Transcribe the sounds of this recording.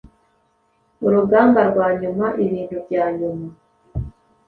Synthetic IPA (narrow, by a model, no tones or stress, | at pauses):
uɾuɡaːmbaɾɡwaːɲumaʔiβiːnhubɟaːɲuma